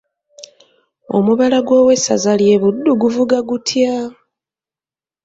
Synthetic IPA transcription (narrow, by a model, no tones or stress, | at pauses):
o̞̰muβalaɡwo̞ːwe̞sa̰zalje̞βudːuɡuvuɡaɡutʰja